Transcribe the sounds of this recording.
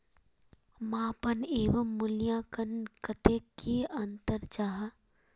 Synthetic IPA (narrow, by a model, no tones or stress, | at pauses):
mãːpəneːʋəmːʊljãːkənkɐt̪eːkʰːeɐnt̪əɾt͡ʃaːɦ